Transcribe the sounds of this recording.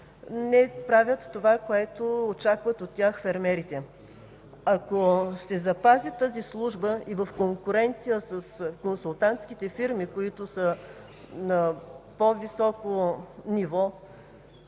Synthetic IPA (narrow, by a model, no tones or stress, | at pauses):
nɛpɾavʲət̪ːovakoɛt̪oot͡ʃakvət̪ot̪ːʲjaxfɛɾmɛɾit̪ɛ | ɐkosɛzɐpazit̪əzislˠuʒbəivəfkoŋkʊɾɛnt̪sijəsəskonsulˠt̪ant̪skit̪ɛfiɾmikoit̪ʊsə | nɐpovisɔkonivɔ